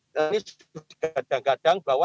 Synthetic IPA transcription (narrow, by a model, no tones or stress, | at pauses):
ənis | ut̪i̥ɡ̥ad̥aŋɡad̥aŋbawa